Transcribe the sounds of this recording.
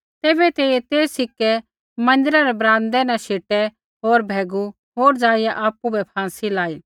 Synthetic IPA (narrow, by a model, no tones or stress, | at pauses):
t̪eːbɛt̪eːet̪eːsɪkːɛ | mɐ̃nd̪ɪɾaɾɛbɾãːnd̪ɛnɛ̃ʃeːʈɛ | ɦoːɾbʱɛːɡu | ɦoːɾd͡zaːɪjaʔaːpubɛpʰãːsilaːi